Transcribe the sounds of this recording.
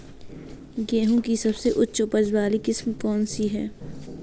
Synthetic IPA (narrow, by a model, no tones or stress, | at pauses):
ɡɛːɦũkisɐbseʔʊtːʃopəd͡ʒwaːlikɪsmkɔːnsiɦɛː